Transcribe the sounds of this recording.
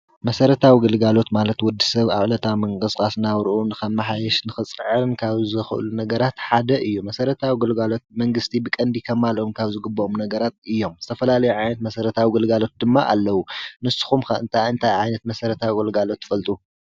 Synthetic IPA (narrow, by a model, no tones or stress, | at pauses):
mɐsɐɾɐt̪ʰawiɡɨlɡalo̞t̪malɐt̪wɔd̪ːisɐβaβʕlɐt̪ʰawmɐŋkʼɨskʼasnawɾʔunɨxɐmːaħajɛʃnɨxɨt͡sʼɨʕɨnkʰaβzɨxɨ̰ʔɨ̰lunɐɡɐɾat̪ħad̪ɐʔɨjːumɐsɐɾɐt̪ʰawiɡɨlɡalo̞t̪̚mɐŋɡɨst̪ʰibɨkʼɐnd̪ikʰɐmalʔomkʰaβzɨɡɨbːɐomnɐɡɐɾat̪̚ɨjːo̞mz̥ɨt̪ʰɐfɐlalɐjuʕajnɐt̪̚mɐsɐɾɐt̪ʰawiɡɨlɡalo̞t̪̚d̪ɨmːaʔa̰lːɐwunɨsːɨ̥xumkɐɨ̰nt̪ʰajɨnt̪ʰajʕajnɐt̪mɐsɐɾɐt̪ʰawiɡɨlɡalo̞t̪ːɨ̥fɐlt̪ʼu